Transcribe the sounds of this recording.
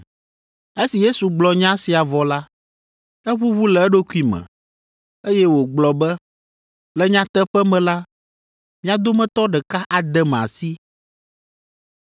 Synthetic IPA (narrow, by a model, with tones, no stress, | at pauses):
e˦si˨je˦su˨ɡ͡blɔ˨ɲã˦si˨a˨vɔ˨la˦ | ɛ˦βu˦βu˦lɛ˨ɛ˦ɖo˦ku˦i˦mɛ̰̃˨ | e˦jɛ˦wo˨ɡ͡blɔ˨bɛ˦ | lɛ˦ɲã˦t̪ɛ˦ɸɛ˦mɛ̃˨la˦ | mĩ˦a˨d̪o˦mɛ̃˦t̪ɔ˦ɖɛ˨ka˦ʔa˨d̪ɛ˦mɛ˨a̰˨si˦